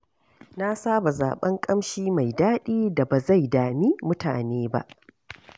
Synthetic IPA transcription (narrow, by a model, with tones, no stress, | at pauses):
na˦saː˦ba˨za̰ː˨ɓɐ˦ŋkʼɐ˦mʃiː˦ma˨jdaː˦ɗiː˦da˨ba˨za˦˨jdaː˨miː˦mʊ˦ta̰ː˨neː˦ba̰˦ʔ